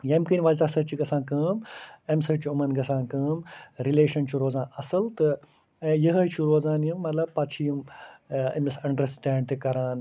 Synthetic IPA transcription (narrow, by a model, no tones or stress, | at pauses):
jɐmkinʋaːzt̪asɐt͡ʃʰiɡɐsãːkɐmemsɐt͡ʃʰuumɐnɡɐsãːkɐmɾileːʃɐnt͡ʃʰuɾoːzãːɐsɐlt̪ɨ | jɐɦɐt͡ʃʰuɾoːzaːnjɐmːɐlɐbpɐt͡ʃʰijɐm | ɐ̰misɐɳɖɐɾsʈɛ̃ːɳɖ̚t̪ikɐɾaːn